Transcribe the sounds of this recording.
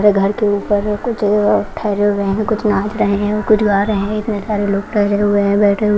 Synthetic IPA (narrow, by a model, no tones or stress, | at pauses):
ɾeɡʱɐɾkeuːpəɾkʊt͡ʃʰʈʰɛːɾeuɾəɦeɦɛ̃kʊt͡ʃʰnãːt͡ʃɾɐɦẽɦɛ̃okʊt͡ʃʰɡaːɾɐɦɛ̃ɪt̪nesaːɾeloːɡ̚ʈʰɛːɾɦeɦʊeɦɛ̃bɛːʈʰeɦʊ